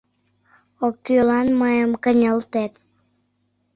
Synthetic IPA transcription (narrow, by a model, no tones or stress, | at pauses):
okːylɑnməjəmkənʲəlt̪et̪